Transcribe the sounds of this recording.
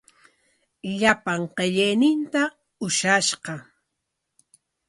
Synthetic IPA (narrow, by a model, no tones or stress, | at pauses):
ʎapaɴqeʎejnɪnt̪a | ʊʃaʃqɑ